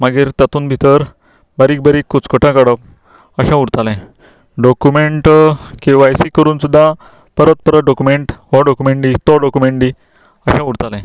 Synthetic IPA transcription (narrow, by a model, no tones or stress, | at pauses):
maɡiɾt̪jat̪uːnbʱit̪əɾ | baɾiːk̚bəɾiːkːut͡skɔʈʰãkaɽə | əɕãuɾt̪alɛ̃ | ɖɔkumeɳʈkiʋajsikəɾuːnsud̪ʱːã | pəɾət̪̚pəɾəɖɔkumeɳʈɦɔɖɔkumeɳʈit̪ɔɖɔkumeɳɖi | əɕãuɾt̪alɛ̃